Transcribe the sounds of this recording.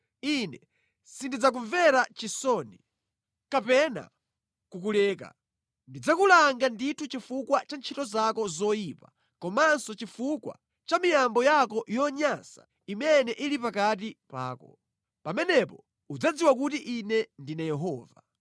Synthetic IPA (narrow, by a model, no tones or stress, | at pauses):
inɛ | sindid͡zak̬uɱvɛɾat͡ʃisɔni | kapɛna̰ | kukulɛːka̰ | ndid͡zakulaŋɡanditʰut͡ʃifukwat͡ʃant͡ʃʰitɔzakɔzɔjipa | kɔmansɔt͡ʃifukwa̰ | t͡ʃamijambɔjakɔjɔɲasḁ̰ | imɛnɛʔilipakat̬ipa̰ːkɔ̰ | pamɛnɛpɔ | ud͡zad͡ziwakutiʔinɛndinajɛɦɔːva